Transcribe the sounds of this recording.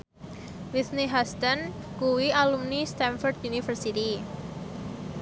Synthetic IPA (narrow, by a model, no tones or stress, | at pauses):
wiθniɦast̪ən | kuwialumnist̪anfɔrd̪junifərsit̪i